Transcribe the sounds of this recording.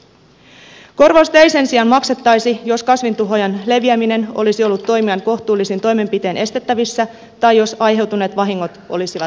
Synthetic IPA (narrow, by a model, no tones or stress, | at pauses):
ko̞rʋost̪ejse̞nsiɑnmɑkse̞t̪ːɑjsijo̞skɑsʋint̪uɦo̞jɑnle̞ʋiæmine̞no̞̰lisiolːut̪ːo̞jmiɑŋko̞ht̪uːlːisint̪o̞jme̞mpit̪e̞ːnʔe̞st̪e̞t̪ːæʋisːæ | t̪ɑjjo̞sɑjɦe̞wt̪une̞ːt̪ʋɑɦiŋːo̞t̪ʔo̞̰lisiʋɑ